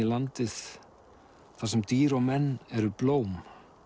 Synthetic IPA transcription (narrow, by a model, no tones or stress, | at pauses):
ilant̪ɪð | θasɛmt̪iːɾɔɣmɛnːɛɾʏploːwm